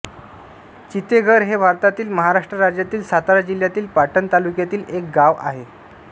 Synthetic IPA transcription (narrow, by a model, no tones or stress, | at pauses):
t͡ɕit̪eɡʱəɾɦebʱaɾt̪at̪iːlməɦaɾaʂʈɾəɾad͡ʑjat̪iːlsat̪aɾad͡ʑil̤jat̪iːlpaʈənt̪alukjat̪iːlʔek̚ɡaʋa̰ɦe